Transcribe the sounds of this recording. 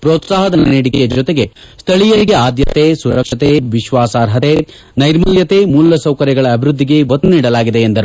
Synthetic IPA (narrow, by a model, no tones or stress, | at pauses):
pɾɔːt̪saːɦɐd̪ɐnneːɽikɛjɐd͡ʒɔt̪eɡe̞ | st̪ʰɐɭijɐɾiɡeaːd̪jɐt̪eːsuɾɐkʂɐt̪eʋiʃʋaːsaːɾɦɐt̪e | nɐjɾmɐljɐt̪eːmuːlːɐsɐwkɐɾjɐɡɐɭɐːbʱiɾud̪ʱːiɡe̞ʋɐt̪ːɐniːɽɐlaːɡid̪e̞ːnd̪ɐɾu